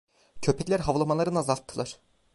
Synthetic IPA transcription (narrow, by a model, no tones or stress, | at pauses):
cʰø̞pʰɛcʲlʲæɾɦavlˠamalˠaɾɯnazalˠt̪ʰːɯlˠaɾ̥